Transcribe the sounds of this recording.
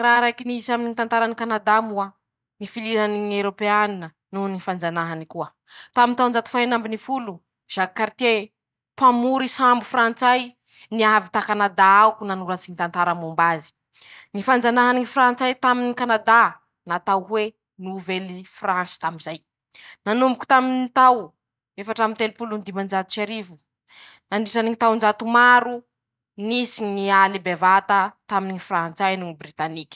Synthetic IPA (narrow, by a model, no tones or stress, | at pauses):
raɾajkiniizamininit̪ant̪aɾanikanad̪amua | nifilinaniɲewɾopeaninə | nunifand͡zanaɦanikuə | t̪amint̪awnd͡ʒat̪u̥faɦenambinifulu | ʒ̥akaɾit̪e | pamuɾisambufrant͡saj | niavit̪akanad̪aakunanuɾat͡sinit̪ant̪aɾəmumbazi̥ | nifand͡zanaɦaniŋifrant͡sajt̪aminikanad̪a | nat̪awwe | nuvelifransi̥t̪aminzaj | nanumbuku̥t̪aminit̪aw | efaʈ͡ʂamint̪elupulund̪imand͡ʒat̪u̥saɾivu̥ | naɳɖ͡ʐisaniŋit̪awnd͡ʒat̪umaɾu | nisiɲnialibevat̪ət̪aminiifrant͡sajnuŋibrit̪anikʲi̥